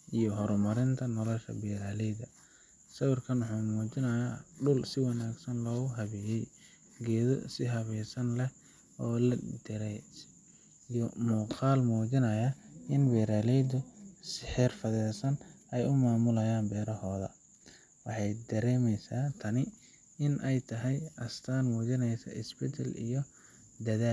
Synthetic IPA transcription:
ʔijɔɦɔɾmɐɾɪnt̪ʰɐnɔlɔʃɐ̰bɛːɾaːlɛjðɐ | sɐwɪrkʰɐnwʊħuːmuːt͡ʃɪnɐjaɖʊlsɪwɑnaːɡsɐnlɔːɣʊɦɐβɛjɛj | ɡɛːðɔ̰sɪɦɐβɛːsɐnlɛh | ɔːlɐd̪ɪɾɛjs | ijɔmuːqɑːlmuːt͡ʃɪnɐjaɪnwɛːɾaːlɛjd̪ʊsɪħɛːrfɐðɛːsɐnɛjʊmaːmʊlɐjaːnbɛːɾɐhɔːðɐ̰ | wɑħɑjd̪ɐɾɛːmɛjsaːt̪ʰɐnɪ | ɪnʔɛjt̪ʰɐɦɛjʔɐst̪ʰaːnmuːd͡ʒɪnɛjsɐ̰ʔɪsbɛd̪ʰɐlḭjɔ | d̪ɐðaːl

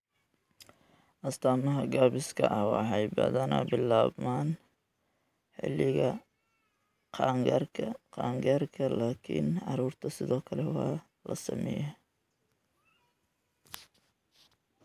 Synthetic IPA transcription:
ʔɐst̪ʰaːmɐɦɐɡaːβɪskʰɐ̰ʔɐhwɑ̰ħɑjbɐ̰ðɐnɐ̰bɪlːaːbmaːn | ħɪ̰lːɪɣɐ | qɑrʰqɑːŋɡɐrkʰɐlaːkʰɪ̰nʕɑɾuːrt̪ʰɐsɪðɔːkʰɐlɛwɑː | lɐsɐ̰mɛ̰ːjɛ

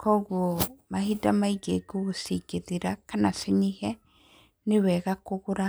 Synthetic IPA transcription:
kʰɔːɣuomahidamaiɡeɡoɣosiɡeðiɾakanaseɲehɛ | newɛɣakoɣoɾa

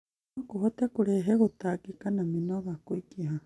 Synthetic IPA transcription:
kuɦot̪akuɾeɦeɣut̪akikanaminoβakuikiɦa

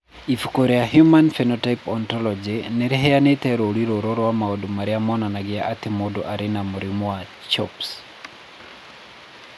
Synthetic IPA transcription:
ifukoɾɛjaɦjumanfɛnɔtaipɔntɔlɔd͡ʒinɛɾɛɦɛjanet̪ɛɾoɾiɾoɾoɾɔwamaodomaɾɪamɔnanaɡɪaʔat̪ɪmodoʔaɾɪnamoɾimwa | t͡ʃɔps

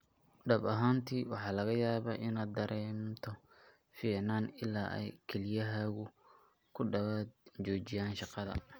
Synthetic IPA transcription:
ɖɐbɐɦaːnt̪ʰiːwɑħɑːlɐɣɐjaːβɐ̰ːʔɪnaːd̪ɐɾʔɛːmt̪ʰɔ | fiːʕnaːnɪlaːʔɛ̰jkʰɛlɪjɐɦaːɣʊ | kʰʊɖɐβaːd̪t͡ʃɔːt͡ʃɪjaːnʃɑqɑðɐ̰

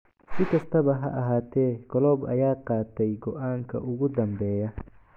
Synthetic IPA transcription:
sɪkʰɐst̪ʰɐβɐɦɐ̰ʔɐɦaːt̪ʰɛːkʰɔlɔːbɐ̰jaːqɑːt̪ʰɛjɡɔʔaːŋkʰɐ̰ʔʊɣʊd̪ɐmbɛːjɐ

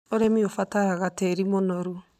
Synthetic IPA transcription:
oɾemiofataaɣateɾimonɔɾu

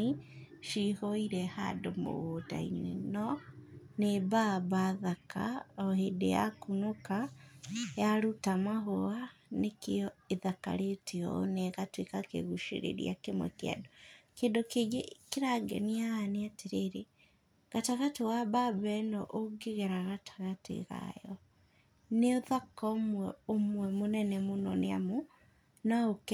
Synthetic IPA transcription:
i | ʃihɔiɾɛha̰domo̰ɣota̰ḭɲwɛ̰nɔnebabaːðaka̰ɔhedeja̰kunoka | jaɾutamaɦoa | nekeɔeðaka̰ɾetʰeɔ̰neɣatwekakḛɣuʃḛɾḛɾḭa̰kemwɛ̰kea̰dɔkeːndokeɡekeɾaɡɛ̰niaːneateɾeɾe | ɣataɣatewababɛnɔʔoɡeɣɛɾaɣatʰḁɣatḛɣa̰jɔ | neoðakɔmwɛomwɛmonɛnɛmonɔnea̰mo | naokɛ

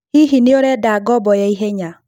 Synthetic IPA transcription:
hiɦineoɾɛdaɡɔbɔjaiɦeɲa

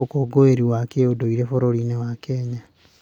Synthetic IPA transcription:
okoɡoeɾiwakeodoiɾefoɾoɾinewakɛɲa

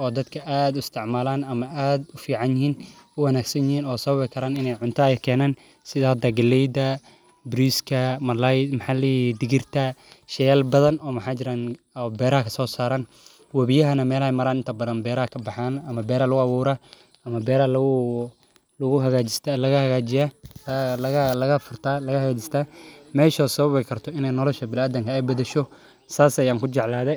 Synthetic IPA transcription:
ɔːd̪ɐd̪kʰɐʔaːd̪ʊɪst̪ʰɪʕmaːlaːnɐmɐʔaːd̪ʊfiːʕɑnjɪɦiːnʊwɐnaːɡsɐnjɪhiːnɔːsɐβɐβɪkʰɐɾaːnɪnɛjʕʊnt̪ʰɐjɛkʰɛːnaːn | sɪðahɐd̪ɐːɡɐlːɛjd̪ɐ | bɾiskʰɐmɐlajmɐħaːlɛjd̪ɪɡɪrt̪ʰɐʃɛjaːlbɐðɐnɔːmɐħaːt͡ʃɪɾaːn | ɔbɛːɾɐɦɐkʰɐ̥sɔːsaːɾɐn | wɐβɪjɐɦɐnɐmɛːlɐmɐɾaːnɪnt̪ʰɐbɐðɐnbɛːɾɐhɐkʰɐbɑħaːnɐmɐbɛːɾɐlʊɣʊɐwuːɾaː | ɐmɐbɛːɾɐl | lʊɣʊɦɐɣaːt͡ʃɪst̪ːlɐɣɐhɐɣaːd͡ʒɪja | lɐɣlɐɣɐfʊrt̪ʰalɐɣɐhɐɣaːt͡ʃɪst̪ʰaːmɛːʃɔːsɐβɐβɛjkʰɐrt̪ʰɔɪnɛjnɔlɔʃɐbɪlaːd̪ɐŋkʰɐɛjbɐðɛʃɔ | saːsɐjaːŋkʰʊt͡ʃɛʕlaːðɛj

